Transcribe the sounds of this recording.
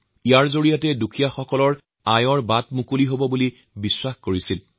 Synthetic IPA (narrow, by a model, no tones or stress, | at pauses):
ijaɹzoɹijatɛdukʰijaxɔkɔlɔɹ | ajɔɹbatmukuliɦobɔbuli | biswaxkoɹisil